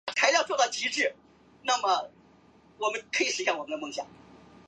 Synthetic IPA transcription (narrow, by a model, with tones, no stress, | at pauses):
t̪ʰa˧˥ɪljɑ˥˧ʊt͡swɔ˥˧t̪ɑ˥˩ʊt͡ɕi˧˥ʈ͡ʂɻ̩˥˩ | na˥˩mɐ˩ | wɔ˨˩mə˦nkʰɤ˧˥i˨˧˩ʂ̩˧˥ɕjɑ˥˩ŋwɔ˨˩mə˦n˧mɤ˥˧ŋɕjɑ̰˨˩˦ŋ